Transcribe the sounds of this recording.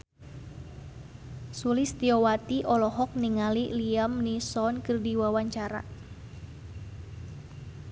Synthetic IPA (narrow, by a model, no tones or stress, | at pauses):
sulist̪iɔwat̪iʔɔlɔɦɔk̚niŋaliliamnisɔnkɨrdiwawaɲt͡ʃaɾa̰